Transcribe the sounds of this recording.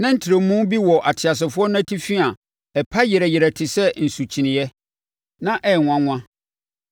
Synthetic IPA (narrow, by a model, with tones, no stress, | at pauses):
nã˦n̩˦tʰɪ˨ɾe˨mũ˦bi˦wɔ˨ʔa˨tʰɪ˨a˨s̬ɪ˨fʊ˦ɔ˦nʊ̃˦æ˦tʰi˦fi˦a˨ | ɛ˨pʰa˦jɛ˨ɾɛ˨jɪ˨ɾɛ˨tʰɪ˨sɛ˦n̩˨su˨t͡ɕʰi˨nɪ̃˨jɛ˦ | nã˦ʔɛ˦˨ŋʷ˨ã˦ŋʷ˦ã˦